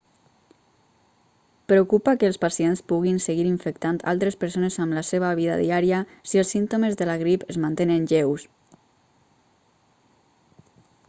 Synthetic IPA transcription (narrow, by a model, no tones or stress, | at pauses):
pɾeokupakəːlˠspasienspuɣinseɣiɾiɱfəkt̪ant̪a̰lˠt̪ɾespəɾsonezamlaseβ̞aβ̞iða̰ðiaɾiəsielˠsint̪omezðəlaɣɾipəzmant̪enenʎews